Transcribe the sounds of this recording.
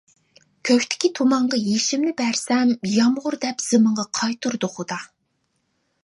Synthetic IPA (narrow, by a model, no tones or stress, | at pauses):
kʲʰøkʲt̪ʰɪ̥kʲit̪ʰomɑɴʁɑjeʃimnɪbɛɾsɛmjɑmʁʊɾd̪ɛpz̥ɨmɨɴʁɑqʰɑjt̪ʰuɾd̪ʊχʊd̪ɑ